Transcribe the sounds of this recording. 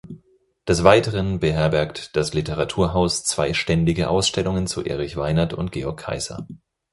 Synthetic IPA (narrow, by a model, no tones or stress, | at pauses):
d̥ɛsv̥aɪtəʁənbəɦɛɐbɛɐktd̥aslɪtəʁatʰuːɐɦaʊst͡sv̥a̰ɪʃtɛndɪɡəʔa̰ʊsʃtɛlʊŋənt͡suʔḛːʁ̞ɪçv̥aɪnɐtʊntɡ̥eːɔɐkʰːa̰ɪz̥ɐ̰